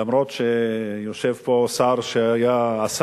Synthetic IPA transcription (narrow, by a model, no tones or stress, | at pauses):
amɾot̪ʃejoʃevposaɾʃeajaas